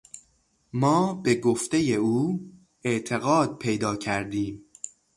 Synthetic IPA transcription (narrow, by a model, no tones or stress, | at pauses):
mɒːbe̞ɡoft̪e̞je̞uː | eʔt̪ʰe̞ɣɒːd̪̚pʰejd̪ɒːcʰæɾd̪iːm